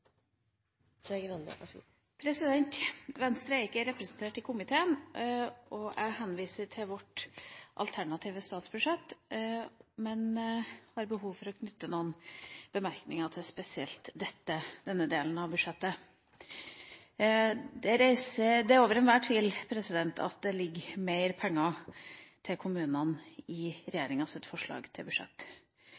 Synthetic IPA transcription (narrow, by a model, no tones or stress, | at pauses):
ɛn̰ | pʰɾɛsɪd̪ɛnt̪ʋɛnst̪ɾəɾɪkːəɾɛpɾəsn̩t̪ʰeːʈɪkʰʊmɪt̪ʰeːən | ɔʔæɪɦɛnʋiːsəɾʈʰɪlʋɔʈʔɑ̰lt̪ʰæɳɑt̪ʰiːʋəst̪ɑːt̪sb̥ʉʂɛt̪ː | mɛnhɑɾbəɦuːʋfɔɾɔkʰnʏt̪ːənuːənb̥əmæɾknɪŋɑt̪ʰɪspɛsɪɛlt̪d̪ɛt̪ːəd̪̥ɛnːəd̪eːln̩ɑʋbʉʂɛt̪ːə | d̪ɛɾæɪsəd̪ɛæoːʋəɾɛnʋæːʈʰʋiːlpʰɾɛsɪd̪ɛnt̪ʰɑ̰t̪̚d̪ɛlɪɡmeɪɾpʰɛŋːɑ | t̪ʰɪlkʰʊmʉːnənɪɾɛjeːɾɪŋɑsɪt̪fɔʂɭɑ̰ːɡt̪ʰɪlbʉʂɛ̰t̪ː